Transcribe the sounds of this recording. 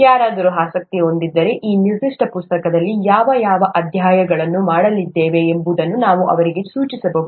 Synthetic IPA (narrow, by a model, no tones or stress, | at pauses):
jaːɾaːd̪ɐɾuɦaːsɐk̚t̪io̞nd̪id̪ːɐɾe̞ʔiːniɾd̪iʂʈɐpust̪ɐkɐd̪ɐlːijaːʋɐjaːʋɐʔɐd̪ʱjaːjɐɡɐɭɐnːumaːɽɐlid̪ːeːʋe̞ːmbud̪ɐnːunaːʋuʔɐ̰ʋɐɾiɡe̞suːt͡ʃisɐbɐɦu